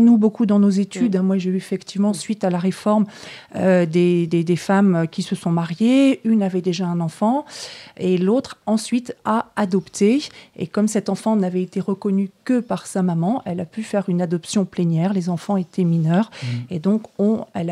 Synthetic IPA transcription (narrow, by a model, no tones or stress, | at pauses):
nubokud̪ɑ̃nozet̪ʰyd̪ɛ̃mwaʒeyefɛkt̪ivmɑ̃sɥit̪alaʁefɔʁmød̪ed̪ed̪efamøkʲisəsɔ̃maʁjeynavɛd̪eʒaɛ̃nɑ̃fɑ̃elot̪χɑ̃sɥit̪aːd̪ɔpt̪ʰeḛkɔmsɛt̪ɑ̃fɑ̃navɛet̪eʁəkɔnykəpaʁsamamɑ̃ʔɛlapyfɛʁynad̪ɔpsjɔ̃plenjɛːʁlezɑ̃fɑ̃et̪ʰɛminœːʁed̪ɔ̃kɔ̃ɛl